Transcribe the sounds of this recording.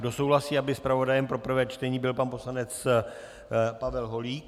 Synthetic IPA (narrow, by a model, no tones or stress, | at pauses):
do̞so̞wɦlasiːabɪspɾavo̞dajɛmpɾo̞pr̩vɛːt͡ʃt̪ɛɲiːbɪlpanpo̞slanɛt͡s | pavɛlɦo̞liːk